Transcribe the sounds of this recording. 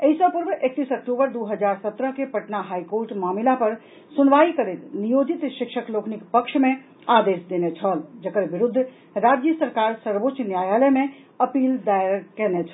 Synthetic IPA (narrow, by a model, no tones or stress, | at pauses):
eɦisə̃puɾbʔek̚t̪isək̚ʈubəɾd̪uɦəd͡ʒaɾsət̪ɾəkepəʈnaɦajkoɾʈmamilapəɾ | sunʋaikəɾet̪nijod͡ʒit̪ʃikʃəkloknikpəkʃʰme | ad̪esd̪enet͡ʃʰəld͡ʒəkəɾbiɾud̪ʱː | ɾad͡ʒjəsəɾkaɾsəɾbot͡ʃnjajaləme | əpild̪ajkɛnet͡ʃʰ